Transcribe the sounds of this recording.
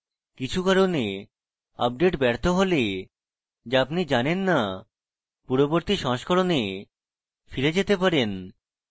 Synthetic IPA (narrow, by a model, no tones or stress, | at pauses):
kit͡ɕʰukaɾone | a̰b̚ɖeʈbɛɾt̪ʰoɦole | d͡ʑeapnid͡ʑanenːa | puɾoboɾt̪iʃɔ̃ʃkʰoɾone | fiɾed͡ʑet̪epaɾen